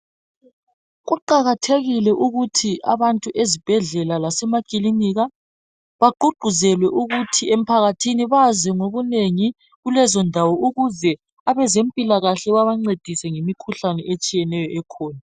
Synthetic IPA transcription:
ɣuǃaɣatʰeɣilɛʔuɣutʰiʔa̰βantʼuʔezib̥ʱɛɮɛlalasɛmakʼiliniɣa | βaɡ͡ǃʱuɡ͡ǃʱuzɛlwɛʔuɣutʰiem̩pʰaɣatʰiniβazɛŋoβuneŋi | ɣulɛzɔndʱawɔuɣuzɛ | aβɛzempʼilaɣaɬɛβaβaŋ͡ǀed̥ʱisɛŋemikʰuɬanɛʔet͡ʃʼijɛnɛjɔʔɛkʰɔːna

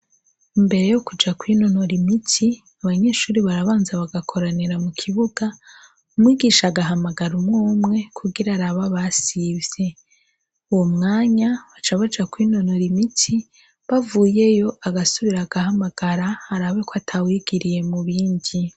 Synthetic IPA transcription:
imbe̞ɾe̞jo̞kud͡ʒakwino̞no̞ɾimitʰi | aβaɲe̞ːʃuːɾiβaɾaβaːnzaβaɡakʰo̞ɾaniɾamukʰiβuɡa | umwiːɡiʃaɡaɦamaɡaɾumŋoːmŋe̞kʰuɡiɾaɾaβaβasivje̞ | uwomŋaːɲaβat͡ʃaβad͡ʒakwiːno̞no̞ɾimitʰi | βavuːje̞jo̞ʔaɡasuβiɾaɡahamaɡ̥aɾahaɾaβe̞koatʰawiɡ̥iɾije̞muβiːndi

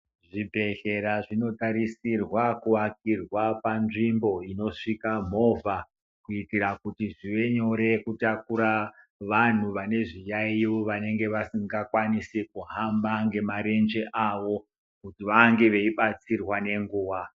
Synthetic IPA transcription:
ʐibʱe̞ɬe̞ɾaʐino̞taɾisirwakuwak̚irwapanʐimbo̞ino̞ʂikam̤o̞vʱa | kuitiɾakutiʐiʋe̞ɲo̞ɾe̞kutak̚uɾa | ʋan̤uʋane̞ʐijaioʋane̞ŋɡe̞ʋasiŋɡakwanisikuɦambaŋɡe̞maɾe̞nd͡ʒe̞ʔaʋo̞ | kutiʋaŋɡe̞ʋe̞iɓat͡sirwane̞ŋɡuːʋa

